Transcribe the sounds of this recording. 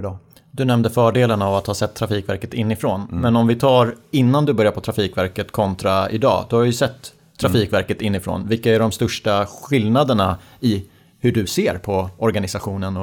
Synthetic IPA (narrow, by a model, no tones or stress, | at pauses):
d̪ɵnɛmnd̪əfœːɖeːlənavat̪hɑːsɛt̪ʰːɾafiːkvæɾkət̪ɪnːɪfɾoːnmɛnɔmvɪt̪ʰɑːɾɪnːand̪ɵbœɾjaɾpʰɔt̪ɾafiːkvæɾkət̪kʰɔnt̪ɾaɪ̰d̪ɑ̰ːd̪ɔhavɪjʏsɛt̪ʰː | ɾafiːkvæɾkət̪ɪnːɪfɾo̰ːnvɪlkːaæɖɔmst̪ɵʂʈaɧɪlnad̪əɳa | ɪ | hɵɖɵseːɾpʰɔɔɾɡanɪsaɧuːnənɔ